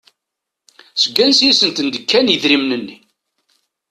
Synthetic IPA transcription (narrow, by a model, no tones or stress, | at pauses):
səɡːænsjisənt̪ənd̪əkːænjəðɾimnənːi